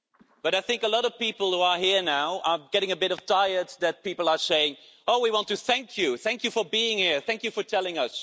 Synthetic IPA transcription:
b̥ʌɾaɪθɪ̃ŋkəlɔɾʌv̥pipl̩ˠhuə˞ɦiɹnaʊə˞ɡɛɾɪ̃ŋɨbɪɾʌv̥tʰaɪə˞t̚ðɨt̚pipl̩ˠə˞seɪɪ̃ŋ | oʊwiwɑ̃ntɨθæ̃ŋkʰjɨθæ̃ŋkjɨfə˞biɪ̃ŋhiɹθæ̃ŋkjɨfə˞tʰɛlˠɪ̃ŋʌs

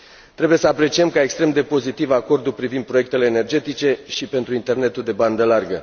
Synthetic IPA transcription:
t̪ɾe̞buje̞səapɾe̞t͡ʃiemkaekst̪ɾe̞md̪e̞po̞zit̪ivako̞rd̪ulpɾivind̪̚pɾoe̞k̚t̪e̞le̞ːne̞rd͡ʒe̞t̪it͡ʃe̞ʃipe̞nt̪ɾuint̪e̞rne̞t̪uld̪e̞band̪əlarɡə̰

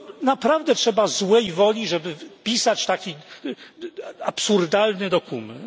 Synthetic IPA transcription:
napɾavd̪ɛtʂɛbazwɛjvɔlʲiʐɛbɘpʲisat͡ɕt̪akʲi | apsuɾd̪alnɘd̪ɔkumɛn

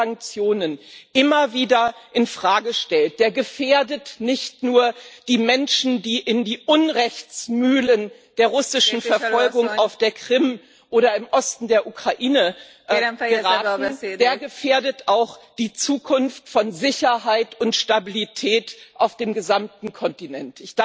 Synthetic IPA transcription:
aŋk̚t͡sjoːnənʔɪmɐviːdɐʔɪnfʁ̥aːɡəʃtɛlt̚d̥eːɐɡəfeːɐdətnɪçtnuːɐd̥iːmɛnʃn̩diːʔɪndiːʔʊnʁɛçt͡smyːlənd̥eːɐʁʊsɪʃn̩fɛɐfɔlɡʊŋaʊfd̥eːɐkʁ̥ɪm | ʔoːɾɐɪmʔɔstn̩deːɐʔukʁ̥aʔiːnə | ɡəʁaːnd̥eːɐɡəfeːɐdətaʊxd̥iːt͡suːkʰʊnftfɔnzɪçɐɦaɪtʊntʃtabilitʰɛːtʔaʊfd̥eːmɡəzamtn̩kʰɔntinɛntɪçd̥

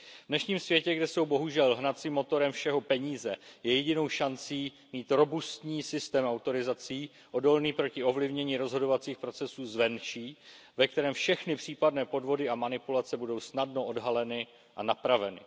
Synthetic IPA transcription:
vdnɛʃɲiːmsvjɛcɛɡdɛso̞wbo̞ɦuʒɛlɦnat͡siːmːo̞t̪o̞ɾɛmfʃɛɦo̞pɛɲiːzɛjɛjɛɟɪno̞wʃant͡siː | miːt̪ɾo̞bust̪ɲiːsɪst̪ɛːmawt̪o̞ɾɪzat͡siː | ʔo̞do̞lniːpɾo̞cɪo̞vlɪvɲɛɲiːɾo̞zɦo̞do̞vat͡siːxpɾo̞t͡sɛsuːzvɛnt͡ʃiː | vɛk̚t̪ɛɾɛːmfʃɛxnɪpr̝̥iːpadnɛːpo̞dvo̞dɪamanɪpulat͡sɛbudo̞wsnadno̞ʔodɦalɛnɪ | ʔanapɾavɛnɪ̰

